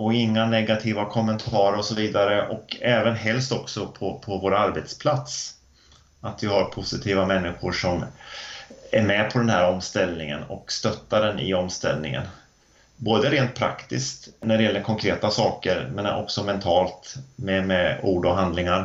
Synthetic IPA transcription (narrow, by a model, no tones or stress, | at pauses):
ɔɪŋːanɛɡat̪ʰiːvakʰɔmːənt̪ʰɑːɾəɾɔsɔviːd̪aɾəʔɔkɛːvənɦɛlst̪ɔksɔpʰɔpʰɔvoːɾaɾbɛt̪spʰlat̪s | at̪vɪɦaɾpʰʊsɪt̪ʰiːvamɛnːɪɧʊʂɔm | æɾmɛpʰɔd̪ɛnhæːɾɔmst̪ɛlnɪŋə̰nɔ̰kst̪œt̪ːaɖɛnɪ̰ɔmst̪ɛ̰lnɪ̰ŋə̰n | boːd̪əɾeːnt̪̚pʰɾa̰kt̪ɪskt̪næɖɛjɛlːəɾkʰɔŋkʰɾeːt̪asɑːkəɾmɛnʔɔ̰ksɔmɛnt̪ʰɑːlt̪mɛmɛuːɖɔɦand̪lɪŋaɾ